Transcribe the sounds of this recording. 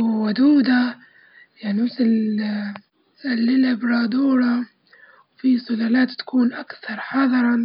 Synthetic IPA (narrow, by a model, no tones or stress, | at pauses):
wad̪uːd̪a | jaʕnimɪθɪl | salːɪlabɾɑːd̪uːɾˤɑ | wfisˤʊlaːlaːt̪ːḁkuːnʔakθɑɾˤħɑðˤɑɾˤɑ